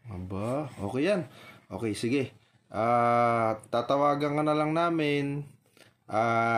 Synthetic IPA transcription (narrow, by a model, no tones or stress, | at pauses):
ɐbaʔo̞̰ːkɛjanʔo̞ːkɛjsɪɡɛ | ʔaːt̪aːt̪ɐwaːɡɐŋkɐnɐlaŋnaːmɪn | ʔaː